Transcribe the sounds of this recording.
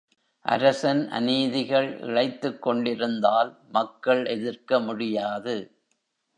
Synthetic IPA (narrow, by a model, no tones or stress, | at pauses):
ʔɐ̰ɾɐsɐnʔɐ̰niːðɪɣɐɭʔɪ̰ɻɐɪt̪ːɯkːɔɳɖɪɾɯnd̪aːl | mɐkːɐɭʔɛðɪrkɐmʊɽɪjaːðɯ